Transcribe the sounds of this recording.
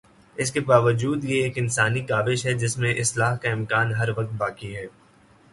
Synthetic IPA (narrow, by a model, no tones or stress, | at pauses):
ɪskebaːʋəd͡ʒuːd̪jeeːkɪnsaːnikaːʋɪʃɦɛd͡ʒɪsmẽʔɪslaːɦkaɪ̃mkaːnɦɐɾʋɐk̚t̪̚baːkiɦɛː